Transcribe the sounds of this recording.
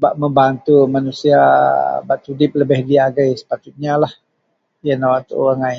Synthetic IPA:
baʔməmbant̪umanusiabat̪udɪp̚ləbɪhdiaɡajsə̥pat̪ʊt̪̚ɲalah | janawat̪ṵɣaŋaj

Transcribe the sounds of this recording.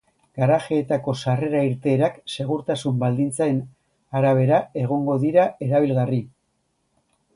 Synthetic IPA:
ɡ̥aɾaxe̞ːt̪ako̞sare̞ɾaiɾt̪e̞ːɾakse̞ɣ̞uɾt̪asumbald̪int͡saen | aɾaβ̞e̞ɾae̞ɣ̞o̞ŋɡo̞ðiɾae̞ɾaβ̞ilɣari

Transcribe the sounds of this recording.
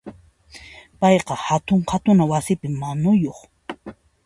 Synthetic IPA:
pɑjqɑhat̪ʊɴhat̪ʊnawasɪpɪmːanʊjoχ

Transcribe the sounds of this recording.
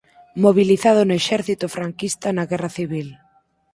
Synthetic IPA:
moβ̞iliθað̞ʊnʊeʃɛɾθit̪ʊfɾaŋkist̪anaɣɛraθiβ̞il

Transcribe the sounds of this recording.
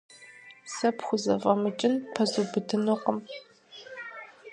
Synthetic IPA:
sɐpxʷʊzɐvɐmɨt͡ʃʼɪnpʰɐzubɨdʰɨnuqəm

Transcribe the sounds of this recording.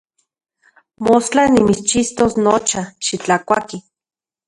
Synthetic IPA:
most͡ɬanimit͡st͡ʃist̪osnot͡ʃaʃit͡ɬakʷaki

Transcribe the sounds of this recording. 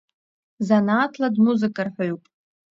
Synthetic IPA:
zanaːtʰladmuzɨkʼarħʷᶣaɥpʼ

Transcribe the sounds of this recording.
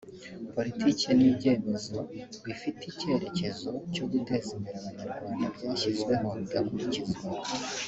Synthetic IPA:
po̞litʰicenibɟe̞ːbezoβifitice̞ɾe̞ce̞zo̞coɡute̞zemiɾewamuɾɡwaːndabɡaːʃizɡwe̞ɦo̞ɡakuɾicizɡwa

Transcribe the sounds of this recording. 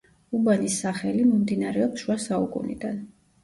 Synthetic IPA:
ubanisːaχɛlimɔmd̪inaɾɛɔpsʃuasaṵkʼṵnḭd̪an

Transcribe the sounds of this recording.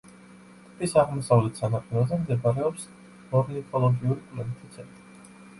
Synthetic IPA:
t̪ʰʼipʼisaʁmɔsavlɛt̪ʰsanaq̪ʼɛlazɛmd̪ɛbʼaɾɛɔps | mɔɾnikʰʼɔlˠɔɡiuɾikʼlɛnt̪ʰit̪sʰɛnt̪ʼɾi

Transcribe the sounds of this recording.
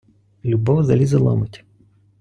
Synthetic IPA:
lʲubɔwzɐlʲizɐlˠɔ̰mɪtʲ

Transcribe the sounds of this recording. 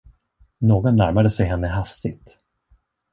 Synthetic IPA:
noːɡɔnːæɾmad̪əsɛjɦɛnːəɦast̪ɪ̰t̪

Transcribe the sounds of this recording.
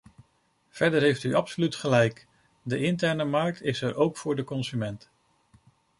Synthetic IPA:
v̥ɛɹdəɹɦejftyʔɑpsolytχəlɛjk | dəɪntɛɹnəmɑɹk̚tɪsɛɹʔowkfʊːɹdəkɔnzymɛnt

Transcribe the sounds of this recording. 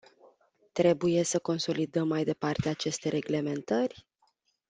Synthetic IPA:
t̪ɾe̞buje̞səko̞nso̞lid̪əmːajd̪e̞part̪eat͡ʃe̞st̪e̞ɾe̞ɡle̞me̞nt̪ərʲ

